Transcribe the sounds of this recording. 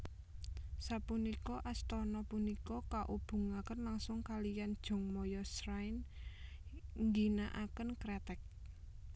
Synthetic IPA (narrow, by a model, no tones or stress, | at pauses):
sapunikɔʔast̪ɔnɔpunikɔkaʔub̥ṳŋakənlaŋsʊŋkalijand̥ʒ̥ɔ̤ŋmɔjɔsɾajn | ŋɡinaʔakənkɾɛt̪ɛk̚